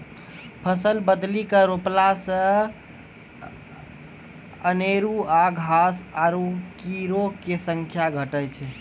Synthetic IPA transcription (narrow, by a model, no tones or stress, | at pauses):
pʰəsəlbəd̪likəɾoplasə̃ | əneɾuaɡʱasaɾukiɾokesəŋkʰjaɡʱəʈəjt͡ʃʰɛ